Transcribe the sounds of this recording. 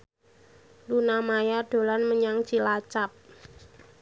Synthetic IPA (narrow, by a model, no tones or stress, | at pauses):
lunamajaɖ̥o̤lanməɲaŋ̥ʒ̥ilat͡ʃap̚